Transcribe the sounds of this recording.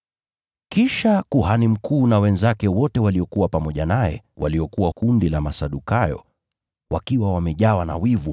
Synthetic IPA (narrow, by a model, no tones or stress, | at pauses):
kiʃakuhanim̩kuːnawɛnzakɛwɔtɛwaliɔkuwapamɔʄanajɛ̰wa̰liɔkuwakundilamasaɗukajɔ̰ | wakiwawamɛʄawana̰wivu